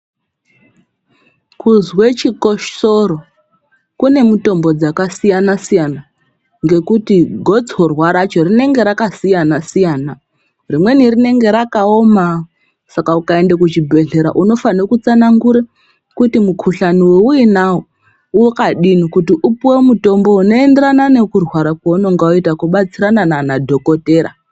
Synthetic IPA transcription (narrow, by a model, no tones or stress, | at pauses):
kuzwe̞t͡ʃiko̞ʃoɾo̞ | kune̞muto̞mbo̞d͡zakasijanasijana | ŋɡe̞kutiɡʱo̞d͡zɦorwaɾat͡ʃo̞rine̞ŋɡe̞ɾakasijanasijaːna | rimwe̞nirine̞ŋɡe̞ɾakaoma | sakaukae̞ndekut͡ʃibʱe̞ɮe̞ɾa̰ʔuno̞fanokut͡sanaŋɡuɾe | kutimukʰuɬaniweuinawo | ukaɗinikutiʔupuwe̞muto̞mbo̞uno̞e̞ndeɾanane̞kurwaɾakwauno̞ŋɡaoitakuɓat͡siɾanananadʱo̞ko̞te̞ːɾa̰